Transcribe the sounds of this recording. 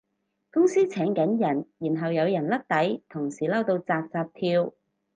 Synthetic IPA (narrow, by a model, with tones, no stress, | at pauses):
kʊ˥ŋsiː˥t͡sʰɛː˨˥ŋkɐ˨˥njɐ˨˩njiː˨˩nɦɐ˨wjɐ˨˧wjɐ˨˩nlɐ˥k̚t̪ɐ˨˥jt̪ʰʊ˨˩ŋsiː˨˩lɐ˥wt̪o˧wt͡saː˧p̚t͡saː˧p̚t̪ʰiː˧w